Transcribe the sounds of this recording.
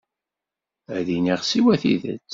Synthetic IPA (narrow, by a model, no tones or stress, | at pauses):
æðiniʁsiwæθḭðə̰t͡sː